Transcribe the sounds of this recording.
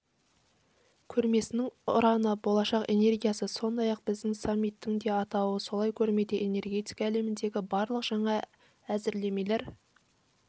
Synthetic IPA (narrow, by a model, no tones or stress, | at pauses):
kʲʰɵɾme̞sɪnɪŋʊ̰ɾɑnəbo̞lˠɑʃɑqe̞̰ne̞rɡʲijɑsəso̞nd̪ɑjɑq̚b̥ɪzd̪ɪŋsɑmːijt̪ːɪŋd̪e̞ɑt̪ɑwəso̞lˠɑjkʲʰɵɾme̞d̪eʔene̞rɡʲe̞t̪ijkɑːle̞mɪnd̪e̞ɡʲɪbɑɾlˠəqʒ̥ɑɴɑ | æzɪɾle̞me̞jle̞ɾ